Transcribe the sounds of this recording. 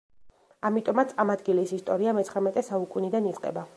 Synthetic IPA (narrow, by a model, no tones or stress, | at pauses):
amit̪ʼɔmat̪sʼamad̪ɡilisist̪ʼɔɾiamɛt̪sʰχɾɛmɛt̪ʼɛsaukʼunid̪anit̪sʼqʼɛ̰ba